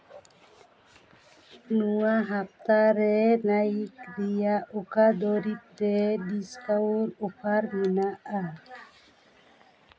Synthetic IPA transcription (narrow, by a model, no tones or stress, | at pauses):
nuwaɦap̚t̪aɾɛnajikɾijaʔokad̪ɔɾit̚d̪ɛdiskawɾupʰaɾminaʔa